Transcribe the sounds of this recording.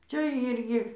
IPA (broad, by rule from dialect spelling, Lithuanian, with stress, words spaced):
ˈt͡ʃʲɛ ˈiːrʲɡʲɪ